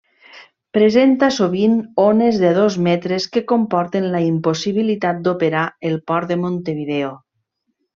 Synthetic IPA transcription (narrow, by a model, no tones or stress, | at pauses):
pɾezent̪asoβinonezðeð̞ozmɛt̪ɾeskekompɔɾt̪enlaimposiβ̞ilit̪at̪̚d̪opeɾaelˠpɔɾd̪emont̪eβiðeo